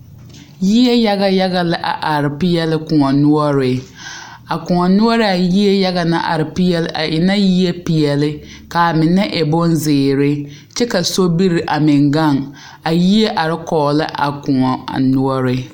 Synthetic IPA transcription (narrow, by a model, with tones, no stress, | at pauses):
ji˦ɛ˦ja˦ɣa˦ja˦ɣa˦lɪ˦ʔa̰˨ʔa˨ɾɪ˨pɪ˦jɛ˦lɪ˦kʊ˨ŋɔ˨nʊ˦ɔ˦ɾɪ˨ | a˨kʊ˨ŋɔ˨nʊ˦ɔ˦ɾɪ˨a˨ji˦e˦ja˦ɣa˨na˦ʔa̰˨ɾɪ˨pi˦ɛ˦lɪ˦ʔa̰˨ʔɪ˨na˦ji˦ɛ˦pi˨jɛ˨lɪ˦ | ka˨mɪ˨nɛ˦ʔɛ˨bʊ˦n˦zɪː˨ɾɪ˦ | t͡ʃɛ˦ka˨so˦bi˦ɾɪ˨ʔa˨mɪ˨ŋɡa˦˨ŋ | a˨ji˦e˦ʔa˨ɾɪ˦kɔː˨lɪ˦ʔa̰˨kʊ˨ŋɔ˨nʊ˦ɔ˦ɾɪ˦